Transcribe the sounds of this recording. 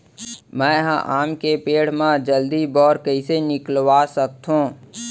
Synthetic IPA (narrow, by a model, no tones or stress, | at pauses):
mɛ̃ːɦãʔaːmkepeːɽ̤mãd͡ʒəld̪ibɔːɾkɐisenɪklwasək̚t̪ɦũː